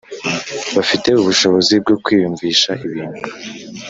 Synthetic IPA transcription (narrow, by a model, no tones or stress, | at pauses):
βafite̞uβuʃo̞βo̞zib̚ɡo̞kwiːjuɱviːʃaʔiβiːndu